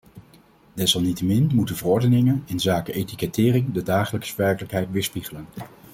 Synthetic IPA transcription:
d̥ɛsɑlˠnitəmɪnmutənvərɔɹdənɪŋənɪnzaːkəʔejtikɛtɪːrɪŋdədaːχələksʋɛɹkələkɦɛjtʋɪːɹspiχələn

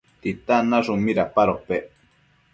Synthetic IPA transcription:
t̪it̪anaʐumiɾapaɾope

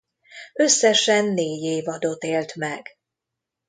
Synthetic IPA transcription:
ø̞sːɛʃɛnːeːɟeːvɒd̪o̞t̪eːlt̪mɛɡ

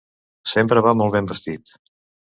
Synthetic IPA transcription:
sempɾəβamɔlˠβembəst̪it̪

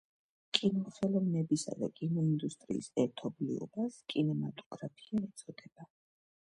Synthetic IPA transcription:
kʼinɔlˠχɛlˠɔvnɛbisa̰d̪a̰kʼinɔind̪ust̪ʼɾḭːsɛɾt̪ʰɔblḭɔ̰baskʼinɛmat̪ʼɔɡɾapʰi̥aɛt̪sʰʼɔd̪ɛb̥a

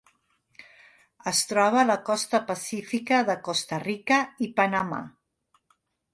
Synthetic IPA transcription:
əst̪ɾɔβ̞əːləkɔst̪əpəsifikəðəkost̪ərikəipənəma̰

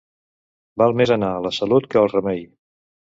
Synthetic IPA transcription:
balˠmezənaələsəlut̪kəəːlˠrəmɛj

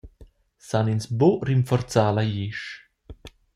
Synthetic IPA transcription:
saninsboɾiɱfɔɾt̪t͡saːlajiʃ

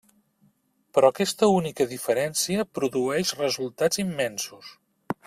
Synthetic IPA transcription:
pɾɔkɛst̪əunikəðifəɾɛnsiəpɾuðuɛʃrəzulˠt̪ad͡zimːɛnsus

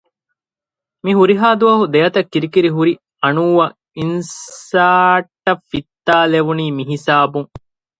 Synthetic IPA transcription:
miɦuɾiɦaːd̪uʋɐɦud̪ejɐt̪ɐkːiɾikiɾiɦuɾi | ɐnuːʋɐ | insaːʈːɐfːit̪ːaːleʋuniːmiɦisaːbuŋ

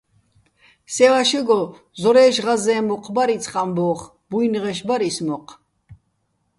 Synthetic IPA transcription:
sɛvaʃɛɡɔ | zɔɾɛːʃʁazɛːmɔqʰʼbaɾit͡sʰχʼambɔːχ | bujnʁɛʃbaɾismɔqʼ

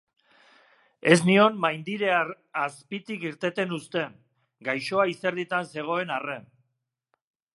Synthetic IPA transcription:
e̞snio̞nmajnd̪iɾe̞a | aspit̪ikiɾt̪e̞t̪e̞nust̪e̞n | ɡajʃo̞aise̞ɾðit̪anse̞ɣ̞o̞e̞nare̞n

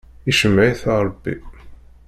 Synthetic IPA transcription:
iʃəmːjθɑɾˤbːḭ

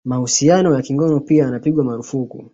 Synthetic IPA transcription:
mahusianɔjakiŋɡɔnɔpiaanapiɠwamaɾufukṵ

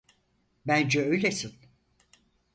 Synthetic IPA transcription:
bænd͡ʒɛø̞jlʲesin

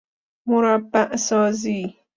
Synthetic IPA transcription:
mʊɾabːaʔsɔːziː

